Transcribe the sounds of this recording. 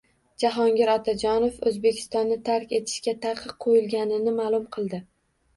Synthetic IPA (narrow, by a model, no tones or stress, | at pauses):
d͡ʒaɦɒŋɡʲɪɾɒt̪ʰad͡ʒɒnofɵzbe̞kʲʰɪ̥st̪ɒnːɪt̪ʰaɾkʲe̞t̪ʰɪ̥ʃkʲat̪ʰaqʰːɨqqʰːojɪlˠɡʲanɪnɪmaːlˠʊmqʰɨlˠd̪ɪ